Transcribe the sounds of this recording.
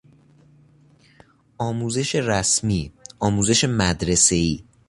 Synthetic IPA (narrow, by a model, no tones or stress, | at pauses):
ʔɒːmuːze̞ʃe̞ræsmiːɒːmuːze̞ʃe̞mæd̪ɾese̞iː